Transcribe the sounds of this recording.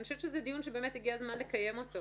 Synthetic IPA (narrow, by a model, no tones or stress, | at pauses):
oʃɛvt͡ʃʃezed̪ijunʃebe̞ːmet̪iɡiazmanle̞kaje̞mo̞to